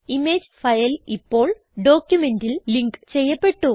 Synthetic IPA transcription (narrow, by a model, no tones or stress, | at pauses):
imeːd͡ʑfɐjɐlipːo̞ːɭ | ɖo̞ːkjume̞ndilliŋkt͡ɕe̞jːɐpːe̞ʈːu